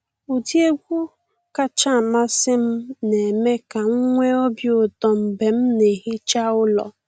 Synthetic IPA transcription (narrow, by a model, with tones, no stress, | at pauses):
u˨di˦e˦ɡʷu˦ | ka˨t͡ʃa˦˨ma˦sɪ˦m̩˦ne˨me˦ka˨ŋ̩˦ŋʷe˦ɔ˦bjo˦˨tɔ˨m̩˨be˨m̩˦ne˨ɦɪ˦t͡ʃa˦ʊ˦lɔ̰˨